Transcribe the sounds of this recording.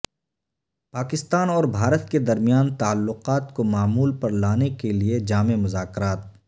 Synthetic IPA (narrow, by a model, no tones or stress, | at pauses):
paːkɪst̪aːnɔːɾbʱaːɾət̪ked̪ɐɾmijaːnt̪aːlːʊqaːt̪komaːmuːlpɐɾlaːnekelied͡ʒaːmemʊzaːkɾaːt̪̚